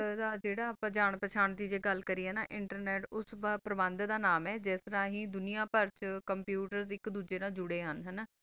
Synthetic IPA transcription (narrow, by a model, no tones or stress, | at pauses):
d̪aːd͡ʒeːɽaːaːpãːd͡ʒaːɳpət͡ʃʰaːɳd̪iːd͡ʒeːɡəlkəɾiːɦɛːnaːʔɪɳʈəɾneːʈʊsbapɾəbənd̪d̪aːnaːmɛːd͡ʒɛːst̪əɾãːɦĩːd̪ʊnijãːpəɾt͡ʃkəmpjuːʈəɾsɪkd̪uːd͡ʒeːnãːd͡ʒʊɽeːɦənɦənaː